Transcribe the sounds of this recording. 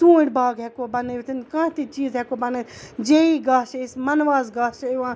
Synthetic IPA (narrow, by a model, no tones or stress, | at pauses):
t̪ũːɽbaːɡɦɛkobɐneːʋit̪ʰinkãːt̪it͡ʃiːzɦɛkobɐned͡ʒeːiɡaːʃeɪsmɐnʋaːzɡaːʃeʋãː